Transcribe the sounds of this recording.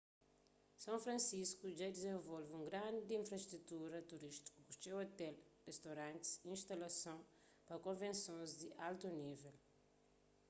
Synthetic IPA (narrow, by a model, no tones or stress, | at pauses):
sɐ̃w̃fɾɐ̃nsiskuʒad̪izẽvolvũŋɡɾãnd̪d̪ĩfɾɐʃt̪ɾut̪uɾɐt̪uɾiʃt̪i̥kukusewot̪ɛlrest̪aɾãnt̪i̥sĩnʃt̪ɐlɐsɐ̃w̃ | pɐkõvẽnsõzd̪iʔalt̪univel